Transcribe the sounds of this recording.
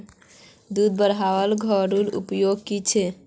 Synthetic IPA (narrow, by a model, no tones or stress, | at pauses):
d̪ud̪̚bəɾɦaʋəlɡʱəɾulṵpjoɡkit͡ʃʰɛ